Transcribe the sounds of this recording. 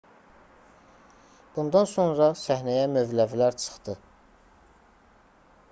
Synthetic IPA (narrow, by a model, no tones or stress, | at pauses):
b̥und̪ɑnso̞nɾɑsæhnæjæmøvlævilæɾt͡ʃʰɯ̥χd̪̥ɯ